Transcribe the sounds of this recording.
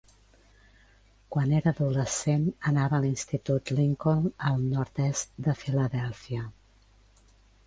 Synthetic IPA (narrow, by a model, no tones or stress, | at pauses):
kwaneɾəːðuləsenənaβəːlinst̪it̪ut̪liŋkonəlˠnɔɾt̪ɛstd̪əfiləðɛlˠfiə